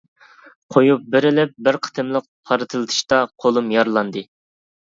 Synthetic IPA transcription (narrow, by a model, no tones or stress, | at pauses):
qʰojup̚bɪɾɪlɪp̚bɪɾqʰə̥t̪ʰɨmlˠəq̚pʰɑɾɨt̪ʰɨlˠɨt̪ʰɨ̥ʃt̪ɑqʰolˠumjɑɾlˠɑnd̪ɨ